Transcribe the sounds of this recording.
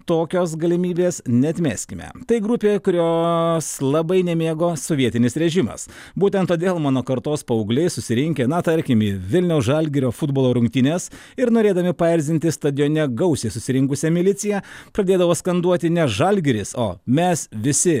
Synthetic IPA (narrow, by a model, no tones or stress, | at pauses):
t̪oːkʲoːsɡɐlʲɪmʲiːbʲeːsnʲɛɐt̪ʲmʲæ̰ːsʲkʲɪmʲɛ̰t̪ɐɪɡɾʊpʲeːkʊɾʲoːslˠɐbɐɪnʲɛmʲeːɡoːsoʋʲiɛt̪ʲɪnʲɪsɾʲɛʒʲɪmɐ̰s | buːt̪ʲɛnt̪ːoːd̪ʲeːlˠmɑːnoːkɐɾt̪oːspɐɔʊɡlʲɛɪsʊsʲɪɾʲɪŋʲkʲenɐt̪ɐɾʲkʲɪmiːʋʲɪlʲnʲɛʊsʒɑlʲɡʲɪɾʲoːfʊd̪boːlˠoːɾʊŋʲk̚t̪ʲɪnʲes | ɪɾnoːɾʲeːd̪ɐmʲɪpɐɛɪɾʲzʲɪnt̪ʲɪst̪ɐd̪ʲɪjoːnʲɛɡɐʊsʲesʊsʲɪɾʲɪŋkʊsʲɛmʲɪlʲɪt̪sʲɪjɛpɾɐd̪ʲeːd̪ɐʋoːskɐnd̪uɔt̪ʲɪnʲɛʒɐlʲɡʲɪɾʲɪso̰ːmʲɛsʋʲɪsʲɪ